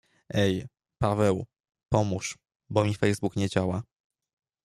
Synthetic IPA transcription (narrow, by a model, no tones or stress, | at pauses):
ʔɛj | pavɛw | pɔmuʂ | bɔmʲifɛjzbukɲɛd͡ʑawa